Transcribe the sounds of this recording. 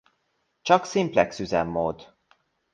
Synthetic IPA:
t͡ʃɒksimplɛksyzɛ̰mːo̰ːd̪

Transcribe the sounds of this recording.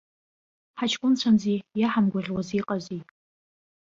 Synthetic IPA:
ħat͡ʃʰkʷʼʊnt͡ɕʷʰanziːjaħamɡʷaʁʲwaziːqʼaziː

